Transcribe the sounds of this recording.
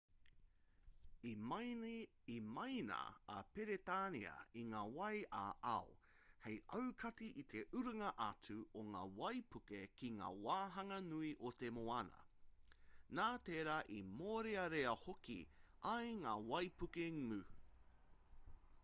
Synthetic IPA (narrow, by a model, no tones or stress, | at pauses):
imɐjnɐ̰ːpeɾet̪aːniɐ̰iŋaːwɐja̰ʔɐo | hejʔɐwkʰɐtiʔit̪ʰeʔʉɾɐŋɐʔɐt͡sʉoŋa̰ːwɐjpʉkekiŋa̰ːwaːɦɐŋɐnuiʔot̪emoɐnɐ̰ | naːt̪eːɾaːʔimoːɾeɐɾeɐhokḭʔɐjŋaːwɐjpukeŋʉ